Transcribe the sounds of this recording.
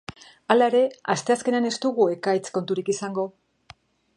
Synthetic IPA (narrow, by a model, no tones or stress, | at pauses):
alae̞ɾe̞ast̪e̞aske̞neane̞st̪uɣue̞kajt͡sko̞nt̪uɾikisaŋɡo̞